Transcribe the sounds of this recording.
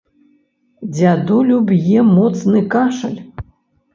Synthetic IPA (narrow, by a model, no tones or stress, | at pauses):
d͡zʲad̪ulʲubjɛmɔt̪snɨkaʂɐ̰lʲ